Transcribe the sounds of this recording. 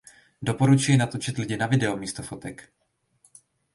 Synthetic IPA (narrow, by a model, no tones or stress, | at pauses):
do̞po̞ɾut͡ʃujɪnat̪ot͡ʃɪt̪lɪɟɪnavɪdɛomiːst̪ofo̞t̪ɛk